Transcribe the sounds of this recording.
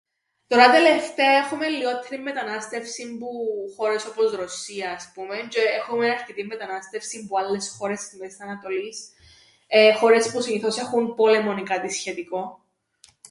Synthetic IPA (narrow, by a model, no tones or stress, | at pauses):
t̪o̞ɾɐt̪ele̞ft̪eɐe̞xume̞lːio̞t̪eɾimːet̪ɐnɐst̪e̞fsimbuxo̞ɾe̞so̞pozɾo̞siɐːspume̞nt͡ʃeexumeɐɾcet̪imːet̪ɐnɐst̪e̞fsimbualːe̞sxo̞ɾe̞simeist̪ɐnɐt̪o̞lis | exo̞ɾe̞spusiniθose̞xunpo̞le̞mo̞nikɐt̪isçe̞t̪iko̞